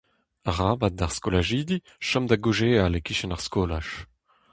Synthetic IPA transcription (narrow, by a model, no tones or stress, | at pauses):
aʁaːbat̚daʁskolaʒiːd̪i | ʃɔmd̪aɡuʒeːalekiʃɛnaʁskoːlaʃ